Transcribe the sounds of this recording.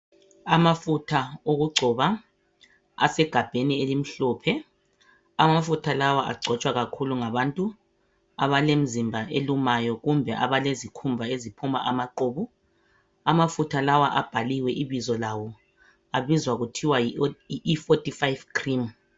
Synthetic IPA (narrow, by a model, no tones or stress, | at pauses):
amafutʰaoɣuɡ͡ǀʱɔβa | a̰sɛɡ̥ʱab̥ʱenielim̩ɬɔːpʰɛ | amafutʰalawaʔa̰ɡ͡ǀʱɔt͡ʃʼwaɣakʰuluŋaβantʼu | a̰βalem̩zimbʱaʔelumajɔɣumbʱɛʔaβalezikʰumbʱaezipʰumaʔamaǃoːβu | amafutʰalawaʔab̥ʱaliwɛʔiβizɔlawɔ | aβizwaɣutʰiwaifotʼifajvkʰrim